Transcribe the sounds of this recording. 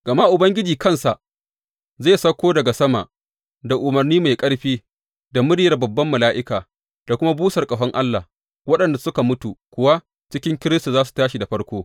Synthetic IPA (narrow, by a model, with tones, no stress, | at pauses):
ɡ̥ɐ˨ma˦ʔʊ˨bɐ˦ŋɡʲɪ˦d͡ʒiː˨kɐ˦nsa˨ʔ | zaː˦˨sɐ˦kʷːoː˦dɐ˨ɡa˨sɐ˦ma̰˨ʔ | da˨ʔʊ˨mɐ˨rniː˦ma˨jkʼɐ˦ɽɸiː˦ | da˨mʊ˦ɽɪ˦jɐ˨rbɐ˨bːɐ˦mːɐ˨laː˦ʔɪ˦kaː˨ | d̥a˨kʷʊ˦ma˦buː˦sɐ˨rkʼɐ˨ɸɐ˦ŋʔa˦lːa˨ | wɐ˦ɗɐ˨nda˨sʊ˦ka˨mʊ˦tu˨kʷʊ˦wa˦ | t͡ʃɪ˦kʲɪ˦ŋkʲɪ˦ɾɪ˦stu˨zaː˦s̬u̥˨taː˦ʃi˨da˨ɸɐ˦ɽkʷoː˦